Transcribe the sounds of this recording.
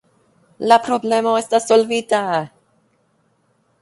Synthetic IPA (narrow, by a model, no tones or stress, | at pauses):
lapɾoblemoest̪asolvit̪a